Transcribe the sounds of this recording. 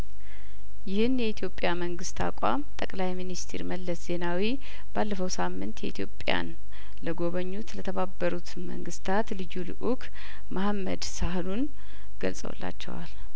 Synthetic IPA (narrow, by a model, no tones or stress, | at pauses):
jɪhɨnjɛit̪ʰjo̞pʼːjaməŋɡɨst̪ʰa̰kʷʼa̰mt̪ʼəkʼlajminist̪ʰḛɾməlːəsz̥e̞nawi | b̥alːəfəwsamːɨnt̪jɛʔit̪ʰjo̞pʼja̰n | ləɡo̞βəɲːut̪lət̪ʰəβabːəɾut̪mə̰ŋɡɨst̪ʰat̪lɨjulɨ̰ʔukʰ | mahamːə̰d̪sahlun | ɡ̥ə̰lsʼə̰w̰lːa̰t͡ʃːɛ̰wa̰l